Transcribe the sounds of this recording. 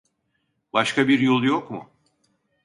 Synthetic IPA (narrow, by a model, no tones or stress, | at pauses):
baʃkʰabiɾjolˠujokmʊ